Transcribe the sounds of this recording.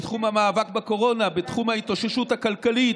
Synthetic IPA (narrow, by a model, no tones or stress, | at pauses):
tχumhamaːvakbako̞ʁo̞nabet̪χumhaitoʃeʃuthakalkalit